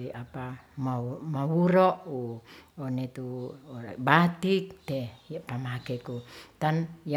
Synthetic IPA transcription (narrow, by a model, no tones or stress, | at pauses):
iapa | mamawuɾɔʔuonet̪u | bat̪ik̚t̪ɛjapamakɛkut̪anja